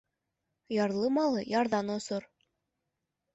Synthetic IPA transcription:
jɑɾlˠɤmɑlˠɤjɑɾðɑnosoɾ

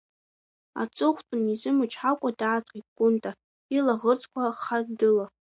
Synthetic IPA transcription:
a̰t͡sʼɨχʷtʼʊnizɨmɨt͡ʃʰħakʷʼadaːt͡sʼqʼitɡʷʼʊntʼa | ilaʁərt͡sʰʼkʷʰaχadɨla

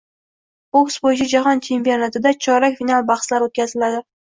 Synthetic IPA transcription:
oksbojɪt͡ʃʰad͡ʒaɦɒnt͡ʃʰe̞mpionat̪ʰɪd̪at͡ʃʰɒɾakʲfinalˠbaχslaɾot̪̚kʲʰazɪlad̪ɪ

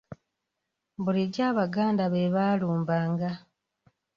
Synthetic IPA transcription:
βuliɟaːβaɡaːndaβeβaːluːmbaːŋɡa

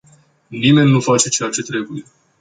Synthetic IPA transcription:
nime̞nʲːufat͡ʃe̞t͡ʃe̞jat͡ʃe̞t̪ɾe̞buje̞

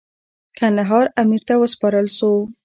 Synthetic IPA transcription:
kʰand̪aɦɑɾamiɾt̪awəspɑɾəlʃo

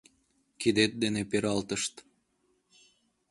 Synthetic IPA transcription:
kid̪et̪̚d̪enepeɾɑlt̪əʃt̪

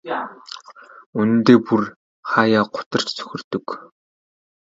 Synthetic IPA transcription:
unɘ̆nt̪eːpur | χaːjaːɢʊ̥t̪ə̆r̥t͡ɕt͡sʰɵ̥xʲɪ̆rt̪ɵ̆k

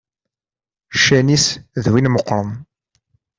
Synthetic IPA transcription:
ʃænisðwinməqːɾˤən

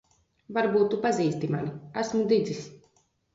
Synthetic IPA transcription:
vaɾbuːt̪ːupaziːst̪ima̰niæsmud̪id̪zis

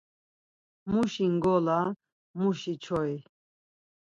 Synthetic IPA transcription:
muʃiŋɡɔla | muʃit͡ʃʰɔi

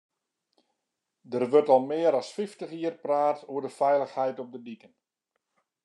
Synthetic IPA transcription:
dərʋɵrtɔlˠmɪːəɾɔsfɪftəxiərpraːtuərdəfɛjləxhɛjtɔp̚dədikən

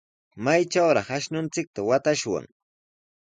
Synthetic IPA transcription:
majt͡ʃawɾɑχaʃnʊnt͡sɪk̚t̪awat̪aʃwa̰ŋ

